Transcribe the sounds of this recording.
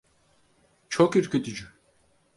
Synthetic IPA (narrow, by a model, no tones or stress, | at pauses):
t͡ʃʰokiɾcʰʲøt̪ʰyd͡ʒy